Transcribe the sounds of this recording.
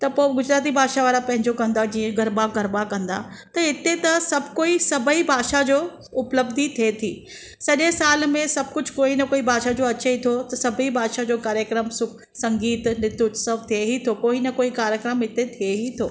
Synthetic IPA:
t̪ɐpoːɡʊd͡ʑɾaːt̪̬ibʱaːʃaʋaːɾapɐ̃ɦɪ̃ɲd͡ʑokɐ̃nd̪ad͡ʑĩːẽɡɐɾbaɡɐɾbakɐ̃nd̪a̰ | t̪ɐɪt̪et̪ɐsɐbʱkoːisɐbʱəibʱaːʃad͡ʑoː | ʊpləbd̪ʱit̪ʰiet̪ʰiː | sɐʄesaːlmẽsɐb̚ʱkʊd͡ʑʱkoːinɐkoːibʱaːʃad͡ʑoːɐt͡ɕeit̪ʰot̪ɐsɐbʱibʱaːʃad͡ʑoːkaːɾjəkɾəmsʊk | sɐ̃ŋɡiːt̪nɪt̪utsəʋt̪ʰieɦit̪ʰokoːinɐkoːikaːɾjəkɾəmɦɪt̪et̪ʰieɦit̪ʰoː

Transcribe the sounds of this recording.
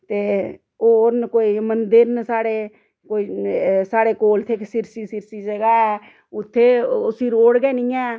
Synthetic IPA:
t̪eː | oːɾnkoːiːmənd̪əɾnəsaːɽeː | koːiːsaːɽeːkoːlt̪ʰeːksɪɾsiːsɪɾsiːsəɡaːɛ | ʊt̪ʰːeːsiːɾoːɽɡɛːnĩːɛ̃ː

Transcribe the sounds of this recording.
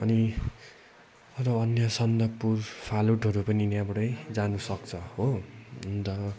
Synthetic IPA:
ʌni | ʌɾʌʌnjʌsʌnd̪ʌpurpʰaluʈɦʌɾupʌninjabɽʌjd͡zanusʌkt͡sʰʌho | t̪ʌ

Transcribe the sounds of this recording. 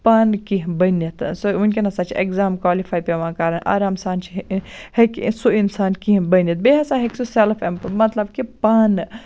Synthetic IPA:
paːnkiɦbɐnɐt̪sunkʲenɐsat͡ʃʰḛkzaːmkwaːlifʰaːjpeʋãːkaːɾɐnʔa̰ːɾaːmsaːnt͡ʃʰiheksuinsaːnkiɦbɐnɐt̪̚beɦɐsaɦeksuselfʰempmɐt̪lɐbkipaːn

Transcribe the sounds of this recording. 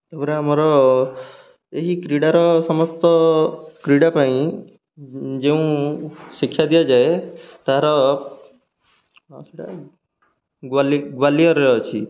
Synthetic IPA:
ebɾaamɔɾɔ | eɦikɾiɽaɾɔsɔmɔst̪ɔkɾiɽapaĩ | d͡ʒeũsikʰːjad̪ijad͡ʒaet̪aɦaɾɔ | siʈa̰ | ɡaliɡwalijɔɾɔɦɔt͡ʃʰi

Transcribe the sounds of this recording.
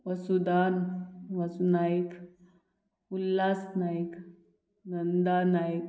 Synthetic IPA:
ʋɐsud̪anʋasunajik | ulːasnajik | nənd̪anajk

